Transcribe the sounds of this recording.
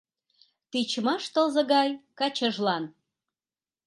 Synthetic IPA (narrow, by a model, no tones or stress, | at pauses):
t̪it͡ɕmɑʃt̪əlzɤ̆ɣɑjkɑt͡ɕəʒlɑn